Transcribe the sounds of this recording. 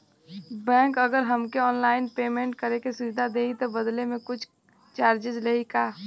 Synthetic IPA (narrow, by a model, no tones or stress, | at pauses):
bɛ̃ːŋkɐɡəɾɦəmkeɔːnlaːɪnpeːmẽːɳʈ̚kəɾekesɪd͡ʒd̪ʱad̪eːit̪obəd̪lemẽkʊt͡ʃʰ | t͡ʃaːɾd͡ʒɪd͡ʒleikaː